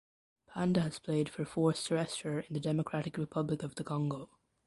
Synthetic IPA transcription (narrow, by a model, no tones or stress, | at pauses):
pʰãndəːz̥pʰl̥eɪd̥fə˞fɔɹθtʰəɹɛstə˞ɪ̃nðɨdɛməkʰɹ̥aɾɨkɹɨpʰʌblɪkʌvðəkʰɑ̃ŋɡoʊ